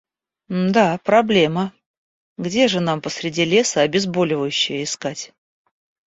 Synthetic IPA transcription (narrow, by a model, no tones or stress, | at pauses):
d̪apɾɐblʲe̞mə | ɡdʲe̞ʐɨn̪ampəsɾʲɪdʲilʲe̞səɐbʲɪzbo̞lʲɪvəjʉɕːɪjəɪskatʲ